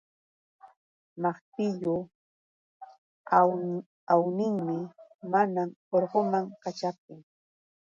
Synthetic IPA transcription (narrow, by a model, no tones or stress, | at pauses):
mɑχt̪ɪʎʊ | awnɪŋmɪmanamoɾɢomaŋkat͡ʃap̚t̪ɪŋ